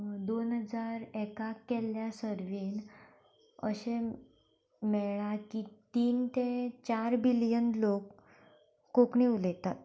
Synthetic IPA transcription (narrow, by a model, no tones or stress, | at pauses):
d̪onɦəd͡zaɾɛkakːɛljasəɾʋiːn | ə̰ɕe | mɛɭakit̪iːnt̪et͡ɕaɾbilijənlokː | okɳiulet̪at̪